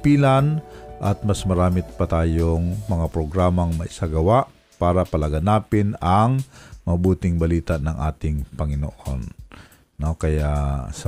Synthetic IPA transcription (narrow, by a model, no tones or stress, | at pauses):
piːlanʔɐt̪̚mɐsmɐɾaːmɪt̪̚pɐt̪aːjoŋmɐŋapɾoɡɾaːmɐŋmɐʔɪsaɡɐwaʔ | paːɾapɐlaɡanaːpɪnɐŋmɐbuːt̪ɪŋbɐliːt̪aʔnɐŋʔaːt̪ɪŋpɐŋɪno̰ʔonː | okɐjaʔsɐ